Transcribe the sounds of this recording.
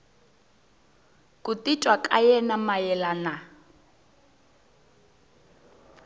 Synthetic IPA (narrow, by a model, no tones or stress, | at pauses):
kʼutitʼwakʼajɛnamajɛlana